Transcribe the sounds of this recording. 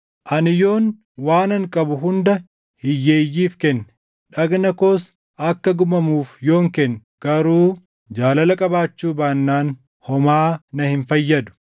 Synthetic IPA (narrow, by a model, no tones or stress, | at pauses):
ʔɐnɪjo̞ːn | waːnɐŋkʼɐbʊɦʊnd̪ɐ | hɪjːeːjːiːfkɛnː | ᶑɐɡnɐkoːs | ɐkːɐɡʊmɐmuːfjo̞ːŋkɛnː | ɡ̥ɐɾuː | d͡ʒaːlɐlɐkʼɐbaːt͡ʃːuːbaːnːaːn | hɔmaːnɐhɪnfɐjːɐd̪ʊ̥